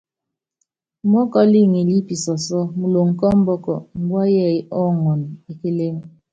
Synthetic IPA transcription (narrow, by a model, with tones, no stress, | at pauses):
mɔ˦kɔ˦li˦˨ŋi˨li˦pi˨sɔ˨sɔ˦mu˨lo˨ŋ̩˨kɔ˦m̩˦bɔ˦kɔ̰˨m̩˨bwa˦jɛ˦˨i˦ʔɔ˦ŋɔ˨n˨e˨ke˦le˦m˦